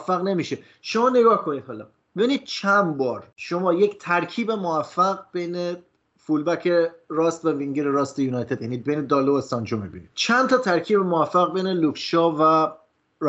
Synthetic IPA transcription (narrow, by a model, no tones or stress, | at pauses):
fːæɣne̞miːʃe | ʃo̞mɒːne̞ɡɒːhkʰo̞niːd̪hɒːlɒ̰ | b̥e̞biniːd̪̥̚t͡ʃʰænbɒːɾʃo̞mɒːject̪ʰæɾkʰiːbe̞movæfːæɣbejne | fulbæcʰeɾɒːst̪væviŋɟeɾeɾɒːst̪ejuːnɒjt̪ʰe̞d̪jæniːd̪̚be̞jned̪ɒːloest̪ɒnd͡ʒomibḭnḭd̪̥t͡ʃʰænt̪ʰɒːt̪ʰæɾcʰiːbemovæfːæɣbejnelukʃɒːvæ | ɾ